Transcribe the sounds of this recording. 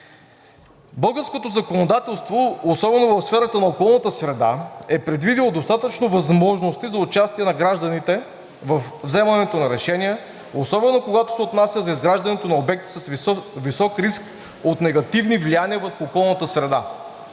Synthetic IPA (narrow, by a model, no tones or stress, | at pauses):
bɤlˠɡəɾskot̪ozɐkonod̪at̪ɛlˠst̪voːsɔbɛnovɐfsfɛɾət̪ənɐokɔlˠnət̪əsɾɛd̪aɛpɾɛd̪vid̪ilˠod̪ost̪at̪ət͡ʃnovɐzmɔʒnost̪izɐʊt͡ʃast̪iɛnɐɡɾaʒd̪ɐnit̪ɛ | vɐfvzɛmɐnɛt̪onɐɾɛʃɛnʲiɛ | osɔbɛnokoɡat̪o̥sɛot̪nasʲjəzɐizɡɾaʒd̪ɐnɛt̪onɐobɛk̚t̪i̥səsvisɔkɾisk | ot̪nɛɡɐt̪ivnivlijaniəvəɾxuːkɔlˠnət̪əsɾɛd̪a